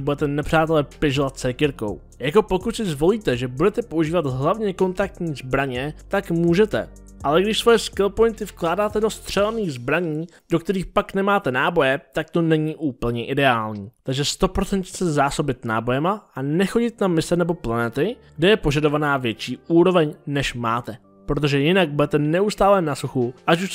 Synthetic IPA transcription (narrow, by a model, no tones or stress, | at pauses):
budɛt̪ɛnɛpr̝̥aːt̪ɛlɛpɪʒovat̪̚sɛkɪɾko̞̰w | jako̞po̞kut̪sɪzvo̞liːt̪ɛʒɛbudɛt̪ɛpo̞ʔuʒiːvat̪ɦlavɲɛko̞nt̪ak̚t̪ɲiːzbɾaɲɛt̪akmuːʒɛt̪ɛ̰ | ʔalɛɡdɪʃsvo̞jɛskɪlpo̞jnt̪ɪfklaːdaːt̪ɛdo̞st̪r̝̥ɛlɛniːɣzbɾaɲiː | d̥o̞k̚t̪ɛɾiːxpaknɛmaːt̪ɛnaːbo̞jɛt̪ak̚t̪o̞nɛɲiːʔuːpl̩ɲɛʔɪdɛaːlɲiːt̪aɡʒɛst̪o̞pɾo̞t͡sɛnt̪sɛzaːso̞bɪt̪na̰ːbo̞jɛmaʔanɛxo̞ɟɪt̪namɪsɛnɛbo̞planɛt̪ɪɡdɛjɛpo̞ʒado̞vanaːvjɛt͡ʃiːʔuːɾo̞vɛɲnɛʃma̰ːt̪ɛ | pɾo̞t̪̬o̞ʒɛjɪnaɡ̚buɛt̪ɛnɛust̪aːlɛnasuxuʔat͡ʃuʃ